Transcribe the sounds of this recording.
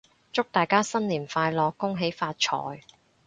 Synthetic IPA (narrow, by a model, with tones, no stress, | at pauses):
t͡sʊ˥k̚t̪aː˨jkaː˥sɐ˥nliː˨˩nfaː˧jlɔː˨˧kːʊ˥ŋɦe˨˥jfaː˧t̚t͡ʃʰɔ̰ː˨j